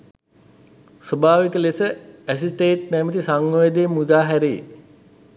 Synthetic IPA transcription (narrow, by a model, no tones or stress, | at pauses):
sobʱaːʋikəlesəæsisʈeːʈ̚næmət̪isaŋːoʋed̪eːmuɡaːɦæɾe